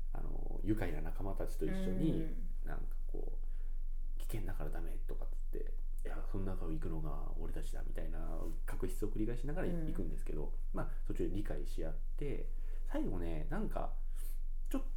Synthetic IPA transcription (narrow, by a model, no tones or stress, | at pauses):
a̰no̞̰ | jɯ̟kaiɾanakamat̪at͡ɕi̥t̪o̞iɕːo̞ɲ̟i | nã̰ŋkḁko̞̰ː | kʲi̥kẽ̞nd̪aɡaɾad̪ame̞t̪o̞kaɨ̥t̪ːe̞̰ | jaso̞nonakao̞ikɯ̟no̞ɡa̰ | o̞ɾe̞t̪at͡ɕid̪a̰mʲit̪aina | kʰakɯ̟çi̥t͡sɨo̞kɯ̟ɾʲikaiɕinaɡaɾaiikɯ̟̃nd̪e̞sɨ̥ke̞d̪o̞̰ | ma | sot͡ɕɨɾʲikaiɕiatt̪ːe̞̰ | saiɡo̞ne̞nãŋka̰ | t͡ɕo̞t̪ː